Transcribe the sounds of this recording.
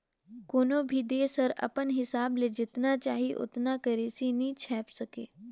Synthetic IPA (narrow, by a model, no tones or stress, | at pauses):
koːnõbʱid̪eːsɐɾɐ̰pənɦɪsaːbled͡ʒɪt̪nat͡ʃaːɦiʔʊ̰t̪nakɐɾeːsinĩt͡ʃʰɛːpsɐkeː